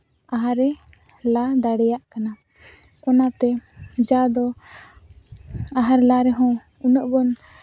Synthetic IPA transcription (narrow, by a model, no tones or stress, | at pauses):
aɦaɾɛ | lad̪aɽɛjaʔkana | kɔnat̪ɛd͡ʒad̪ɔ | aɦaɾɛlaɾɛɦɔ̃ | unəʔbɔn